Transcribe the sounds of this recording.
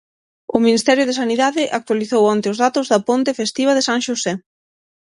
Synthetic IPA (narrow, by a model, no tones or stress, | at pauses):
ʊminist̪ɛɾjʊð̞esaniðaðɪʔak̚t̪waliθowɔnt̪ɪʊzðat̪ʊzðɐpont̪efest̪iβɐðesaŋʃosɛ